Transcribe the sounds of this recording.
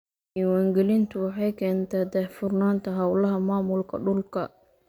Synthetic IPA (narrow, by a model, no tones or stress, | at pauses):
ʔiːwaːŋɡɛlɪnt̪ʰʊwɑħɑjkʰɛːnt̪ʰɛːd̪ɛfʊrnaːnt̪ʰɐɦɐwlɐɦɐmaːmʊlkʰɐ̰ɖʊlkʰɐ̰